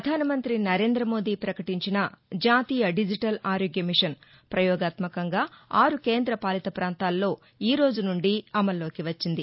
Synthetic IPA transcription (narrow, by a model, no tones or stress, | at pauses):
pɾɐd̪ʱaːnɐmɐnt̪ɾinɐɾe̞ːnd̪ɾɐmo̞ːd̪iːpɾɐkɐʈiɲt͡ʃinɐd͡ʒaːt̪iːjɐɖid͡ʒiʈɐlaːɾoːɡjɐmiʂɐn | pɾɐjɔːɡaːt̪mɐkɐŋɡaːaːɾuke̞ːnd̪ɾɐpaːlit̪ɐpɾaːnt̪aːlːo̞ː | iːɾo̞ːd͡ʒunuɳɖiɐmɐlːo̞ːkiʋɐt͡ʃːind̪i